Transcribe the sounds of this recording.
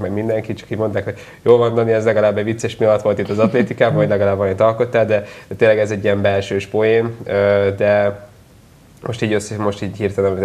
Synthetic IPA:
mɛɡmind̪ɛŋkit̪̚t͡ʃɒ̥kiːɟmo̞nt̪aːkho̞ɟ | joːlmond̪ɒniɛzlɛɡɒlaːbːɛvit̪sːɛʃmiɒlɒt̪ʋo̞lt̪it̪ːɒzɒt̪leːt̪ikaːbɒɒɟlɛɡɒlaːbːɒmint̪ɒlko̞t̪ːaːld̪ɛd̪̥ɛt̪eːnlːɛɡɛzɛɟːijɛmbɛlʃøːʃpoeːnød̪ɛ | mo̞ʃt̪iːɟøsːɛmo̞ʃt̪iːɟhirt̪ɛnɒmi

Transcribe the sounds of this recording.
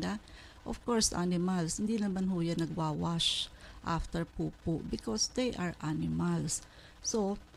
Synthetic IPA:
d̪a | ʔɔfkɔɹsʔa̰nɪmalshɪnd̪inɐmanɦʊjanːɐɡ̚waːwaʃʔa̰ft̪ɛɹpuːpʊʔbɪkɔsd̪ejʔaɹʔanɪmals | so

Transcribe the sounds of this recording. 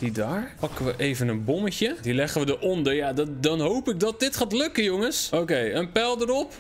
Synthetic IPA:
d̥idaːɹpɑkəʋəʔejvənənbɔməcədilɛχəʋədəʔɔndəɹjadɑdɑnɦowpɪk̚dɑt̚dɪtχaːtlɵkəjoŋəsʔokejənpɛlˠdəɾɔp

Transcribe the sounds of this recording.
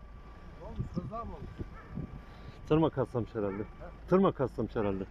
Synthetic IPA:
t̪ʰɯɾmakʰast̪amɯʃheɾælʲd̪ɛt̪ʰɯɾmakʰaslamɯʃheɾælʲd̪ɛ

